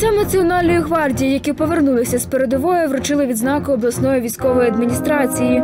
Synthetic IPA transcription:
sɛmnɐt͡sʲiɔnɑlʲnɔjiɦʋɑrdʲijijɐkʲipɔʋe̞rnulˠɪsʲɐspeɾed̪ɔʋɔjʊʋɾʊt͡ʃɪlˠɪʋʲid̪znɑkʊːblˠɐsnɔjiʋʲijsʲkɔʋɔjiɐd̪mʲinʲist̪ɾɑt͡sʲiji

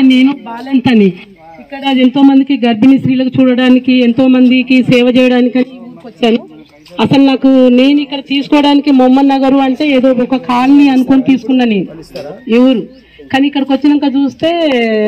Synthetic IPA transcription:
ne̞ːnubaːlent̪ɐni | ikːɐɽɐe̞nt̪o̞ːmɐnd̪ikiɡɐɾbinisɾiːlɐkut͡ʃuːɽɐɽaːnikient̪o̞ːmɐnd̪ikisɛːʋɐt͡ʃɛːjɐɽaːnikɐnikɐkot͡ʃːaːnu | ɐsɐlunaːkune̞ːnuikːɐɽɐt̪iːsu̥kɔːɐɽaːnikimomːɐnːɐɡɐɾuɐɳʈe̞ːeːd̪o̞ːɔkɐkʰaːlniɐnukonut̪iːsu̥kunːaːne̞ːnueʋɐɾu | kaːniːkːɐɽɐkot͡ʃːinɐŋkaːt͡ʃuːst̪e̞ː

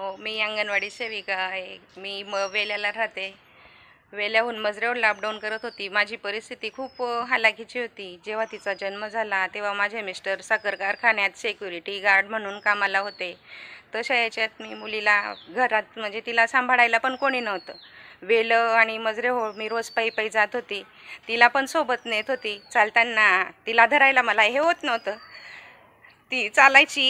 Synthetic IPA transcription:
omiːə̃ŋɡənʋaɽiːɕeʋikajmiːməɡʋeljalaɾat̪e | ʋeljaɦuːnməd͡zɾeəlap̚ɖaunkəɾət̪ɦot̪iːmad͡ʑʱiːpəɾist̪ʰit̪iːkʰuːpɦalaɡʱit͡ɕiːɦot̪iːd͡ʑeʋ̤at̪it͡sad͡ʑənməd͡zʱalat̪eʋamad͡ʑʱemisʈəɾsəkəɾkaɾkʰaɳjat̪sekjuɾiʈiɡaɾɖm̤əɽ̃uːnkamalaɦot̪et̪əɕəjat͡ɕat̪miːmulilaɡʱəɾat̪̚m̤əɳd͡zet̪ilasãmbʱəɽajlapəɳkoɽ̃iːnaɦt̪əːʋeləaɽ̃iməd͡zɾeɦomiːɾod͡zpəipəjd͡zat̪ɦot̪iː | t̪ilapəɳsobət̪nəet̪ɦot̪iːt͡salt̪anːat̪ilad̪ʱəɾajlaməlaɦeɦot̪nət̪ə | t̪iːt͡salajt͡ɕiː

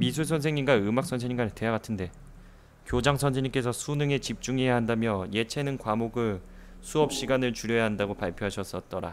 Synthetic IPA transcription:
misʰuɭsʰʌnsʰeŋɲinɡaɯmak̚s͈ʌnsʰeɲiŋɡanetejaɡatʰɯnde̞ | kjod͡ʑaŋsʰʌnsʰeɲimk͈e̞sʰʌsʰunɯŋe̞t͡ɕip̚t͡ɕ͈uŋejaɦandamjʌje̞t͡ɕʰe̞nɯnkwamoɡɯɭsʰuʌp̚ɕ͈iɡanɯɭt͡ɕuɾjʌjaɦandaɡopaɭpʰjoɦaɕʰʌs͈ʌt̚t͈ʌɾa̰

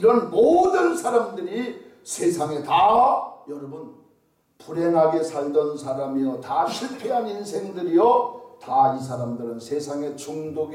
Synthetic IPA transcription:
iɾʌnmodɯnsʰaɾamdɯɾi | sʰe̞sʰaŋe̞tajʌɾʌbɯn | puɾɦeŋɦaɡe̞sʰaɭdʌnsʰaɾamijʌtaɕʰiɭpʰe̞ɦaninsʰe̞ŋdɯɾijʌtais̬ʰaɾamdɯɾɯnsʰe̞sʰaŋe̞t͡ɕuŋdoɡ

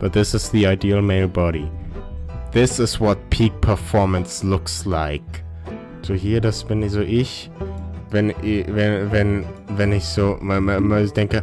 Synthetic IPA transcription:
b̥ʌt̪̚ðɪsɨzðiaɪdiəlˠmeɪlˠbɑɾi | ðɪsɪzwʌt̚pʰiɡ̚pʰəfɔːmə̃nslʊkslaɪk | sʰohiədʌsmɪ̃nizoʔɪʃ | vɛ̃nvɛvɛ̃nvɛ̃nisommmoʊzdɛ̃ŋkə

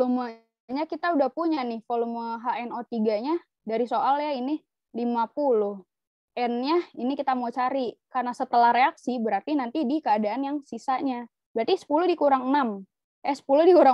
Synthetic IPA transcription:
lumə | ɲakit̪audahpuɲanɪhfoluməɦaʔɛnot̪iɡaɲa | daɾisoʔaljaini | limapulʊh | ʔɛnɲainikit̪amot͡ʃaɾikarnasət̪əlahɾeaksibəɾart̪inant̪idikəadaanjaŋsisaʔɲa | bɾart̪isə̥puludikuɾaŋənam | jasə̥puludikuɾa

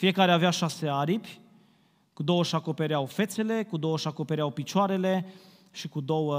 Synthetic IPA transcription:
fije̞kaɾeaveaʃase̞aɾipʲ | kud̪o̞wəʃako̞pe̞ɾeawfe̞t̪se̞le̞kud̪o̞wəʃako̞pe̞ɾeawpit͡ʃoaɾe̞le̞ | ʃikud̪o̞wə

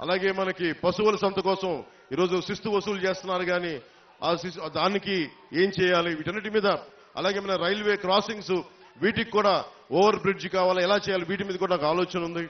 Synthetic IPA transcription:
ɐ̰laːɡe̞ːmɐnɐkipɐsuʋɐlɐsɐnt̪ɐkɔːsɐm | iːɾo̞ːd͡ʒusist̪ubɐsuːlt͡ʃe̞ːst̪unːaːɾuɡaːni | ɐsisd̪aːniki | e̞ːmt͡ʃɛːjaːliʋiːʈɐnːiːʈ̬imiːd̪ɐ | ɐ̰laːɡeːmɐnɐɾɐjlʋe̞ːkɾaːsiŋs | ʋiːʈikkːuːɽaː | oːʋɐɾbɾid͡ʒkaːʋaːlɐɛlaːt͡ʃɛːjaːliʋiːʈimiːd̪ɐkuːɽaːnaːkaːlɔːt͡ʃɐnund̪i

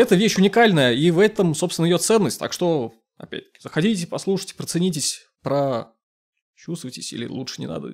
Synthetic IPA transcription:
ɛt̪əvʲeɕʊnʲɪkalʲnəjəivɛt̪əmso̞pst̪vʲɪnəɪjʲot̪sɛnːəsʲtʲt̪a̰kʂt̪o̞ | ɐ̰pʲæ̰t̚ʲt̪ə̥kʲɪ̥zəxɐdʲitʲɪpɐslˠuʂɨ̥jtʲɪ̥pɾət̪sɨnʲitʲɪsʲ | pɾə | t͡ɕust̪vəjtʲɪsʲḭlʲɪ̰lˠuʂɨ̥nʲɪ̰na̰d̪ə̰

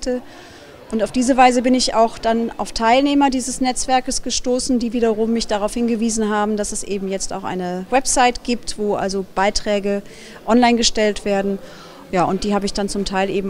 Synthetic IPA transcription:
tə | ʔʊntaʊfd̥iːzəvaɪzəbɪnɪça̰ʊxd̥ana̰ʊftʰaɪlneːmɐdiːzəsnɛt͡sv̥ɛɐkəsɡ̥əʃtoːsn̩diːviːdɐʁʊmːɪçd̥aʁaʊfhɪnɡəviːzn̩ɦaːbm̩dasɛsʔḛːbm̩jɛt͡sta̰ʊxʔa̰ɪnəvɛpz̥aɪtɡ̥iːp̚tv̥oːʔa̰lzob̥aɪtʁ̥ɛːɡə | ʔɔnlaɪnɡəʃtɛltv̥eːɐdn̩ | jaːʊntd̥iːhaːbəɪçd̥ant͡sʊmtʰaɪlʔeːbm̩

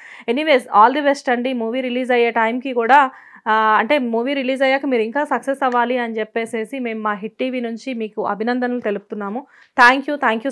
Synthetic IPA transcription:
e̞niʋe̞ːsaːld̪ɐbesʈɐɳɖimuːʋiːɾiliːd͡ʒɐjeːʈɐjmkikuːɽaː | ɐɳʈe̞ːmuːʋiːɾiliːd͡ʒɐjaːkɐmiːɾuiŋkaːsɐksesɐʋaːliɐnit͡ʃepːe̞ːse̞ːsime̞ːmmaːɦiʈ̚ʈiːʋiːnuɲt͡ʃimiːkuɐ̰bʱinɐnd̪ɐnɐlut̪e̞lupu̥t̪unːaːmu | t̪ʰaːŋkjuːt̪ʰaːŋkjuː

